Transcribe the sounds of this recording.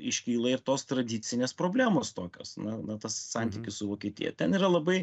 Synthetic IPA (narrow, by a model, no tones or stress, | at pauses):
ɪʃʲkʲiːlˠɐɪɾt̪oːst̪ɾɐd̪ʲit̪sʲɪnʲeːspɾoːbʲlʲæːmoːst̪oːkʲo̰ːsnɐnɐt̪ɐssɑnʲt̪ʲiːkʲɪssʊʋoːkʲiɛt̪ʲḭjɛ̰t̪ʲɛniːɾɐlˠɐbɐɪ